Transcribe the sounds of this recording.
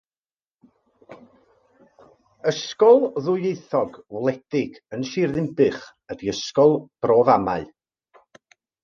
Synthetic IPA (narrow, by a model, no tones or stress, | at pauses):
əskɔlˠðʊjejθɔɡwlˠɛd̥ɪɡ | ənʃirðɪmpɨχ | ədiəskɔlˠb̥roːvama̰ɨ